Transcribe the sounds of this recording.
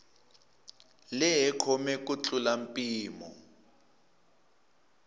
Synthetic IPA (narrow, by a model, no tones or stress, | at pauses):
lɛɦɛkʰɔmɛk̬ut͡ɬʼulampʼiːmɔ̰